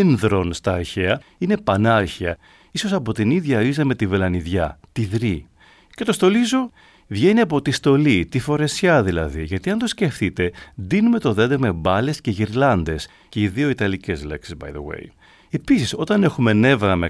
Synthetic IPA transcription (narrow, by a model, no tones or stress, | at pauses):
nðɾo̞nst̪ɐːɾçeɐine̞pɐnɐɾçiɐ | iso̞sɐpo̞t̪iniðʝɐizɐme̞t̪ivelɐniðʝɐt̪iðɾi | ce̞t̪o̞st̪o̞lizo | vʝe̞niɐp̬o̞t̪ist̪o̞lit̪ifo̞ɾe̞sçɐðilɐðiʝɐt̪iɐnd̪osce̞fθit̪e̞d̪inume̞t̪o̞ðe̞d̪eme̞bɐlesce̞ʝiɾlɐnd̪e̞s | ceiðio̞it̪ɐlice̞zleksizbɐ̰jðḛwḛj | e̞pisiso̞t̪ɐne̞xume̞ne̞vɾɐme